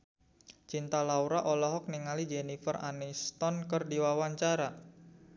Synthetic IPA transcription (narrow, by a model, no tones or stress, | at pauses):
t͡ʃint̪alauɾaʔɔlɔɦɔk̚niŋalid͡ʒenifəra̰nist̪ɔnkərdiwawaɲt͡ʃaɾa